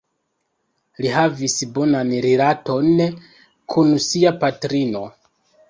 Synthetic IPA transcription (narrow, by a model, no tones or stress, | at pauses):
lihavisbo̞nanɾilato̞n | kʰunsiapatɾino̞